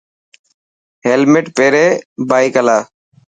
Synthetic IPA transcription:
ɦeːlmeːʈpeːɾeːbaːikəlaː

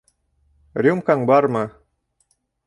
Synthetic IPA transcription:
ɾʲumkaŋbɑɾmɤ

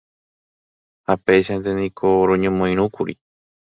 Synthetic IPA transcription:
hape̞jʃant̪e̞nĩkʰoɾõɲõmõĩɾ̃ũkuɾḭ

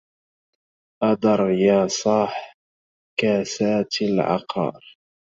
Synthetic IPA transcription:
ʔɑd̪ɑɾˤjaːsˤɑːħ | kaːsaːt̪alʕɑ̰qʰɑ̰ːɾ

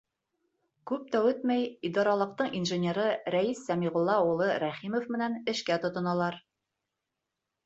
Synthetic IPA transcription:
kʉp̚t̪æwɘt̪̚mæjid̪ɑɾɑlˠɤ̆q̚t̪ɤɴinʒɘ̆nʲeɾɤɾæisːæmiʁŏlˠːɑulˠɤɾæχimŏfmɘ̆nænɘ̆ʃkæt̪ŏt̪ŏnɑlˠɑɾ

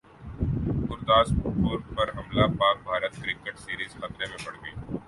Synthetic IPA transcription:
ɡʊɾt̪aːsʊboːɾpɐɾɦɐmlapaːk̚bʱaːɾət̪kɾɪkeʈsiːɾiːzxɐt̪ɾemẽbɐɽ̤ɡɐiː

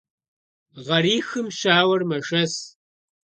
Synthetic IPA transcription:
ʁɐriːxɨmʃaːwɐrmɐʒɐs

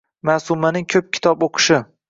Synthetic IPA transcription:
masumanɪŋkʲʰɵp̚kʲʰɪ̥t̪ʰɒboqʰɨ̥ʃɪ

